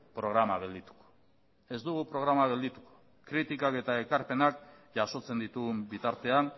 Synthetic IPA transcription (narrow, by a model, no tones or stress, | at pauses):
pɾo̞ɣɾamaɣeld̪it̪u̥ko̥ | e̞zd̪uɣupɾo̞ɣɾamaɣe̞ld̪it̪u̥ko̥ | kɾit̪ikake̞t̪ae̞kaɾpe̞nakʝaso̞t͡se̞nd̪it̪uɣmbit̪aɾt̪e̞an